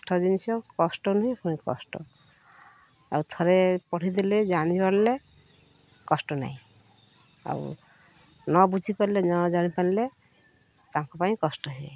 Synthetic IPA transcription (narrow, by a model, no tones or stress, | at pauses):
ʈʰɔd͡ʒinisɔkɔsʈɔnuɦĩapɔnikɔ̰sʈɔ̰ | a̰wut̪ʰɔɾepɔʈʰid̪iled͡ʒañibanle | kɔsʈɔna̰ɦĩ | a̰w̰ | nɔbud͡ʒʱipanlenɔd͡ʒañipanile | t̪aŋkɔpaĩkɔsʈɔɦḛ